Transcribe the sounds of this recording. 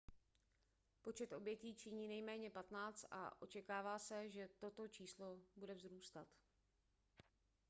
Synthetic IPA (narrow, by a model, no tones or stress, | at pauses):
po̞t͡ʃɛt̪ʔo̞bjɛciːt͡ʃɪɲiːnɛjmɛːɲɛpat̪naːt͡st̪ʔa̰ʔo̞t͡ʃɛkaːvaːsɛʒɛt̪o̞t̪o̞t͡ʃiːslo̞budɛvzɾuːst̪at̪